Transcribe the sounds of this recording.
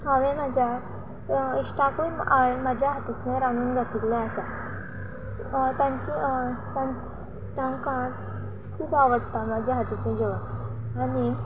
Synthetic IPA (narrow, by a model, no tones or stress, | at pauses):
haʋẽmad͡ʑja | iʂʈakoimad͡ʑʱjaɦat̪it̪lɛ̃ɾanuːnɡʱat̪it̪lɛ̃asa | t̪ãɲt͡ɕit̪ã | t̪ãŋkãn | kʰuːbaʋəɽt̪amad͡ʑʱjaɦat̪it͡ɕẽd͡ʑeʋəɽ | aɽi